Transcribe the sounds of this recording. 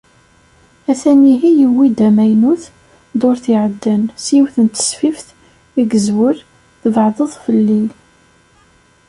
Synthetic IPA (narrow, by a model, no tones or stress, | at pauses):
æθæniɦijəwːid̪æmæjnuθ | d̪ˤoɾθiʕəd̪ːənsiwθənt̪ə̥sfifθ | iɡəzwəɾ | θəvʕðˤəðˤfəlːi